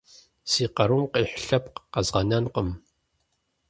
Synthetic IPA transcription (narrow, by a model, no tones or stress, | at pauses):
siːqɐɾumqiːħɬɐpqqɐzʁɐnɐnqəm